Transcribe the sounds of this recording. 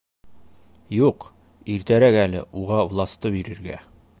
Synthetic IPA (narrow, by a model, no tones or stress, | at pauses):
juq | iɾt̪æɾækælɘ̰ʔuʁɑvlˠɑst̪ɤbiɾɘ̆ɾɡæ̰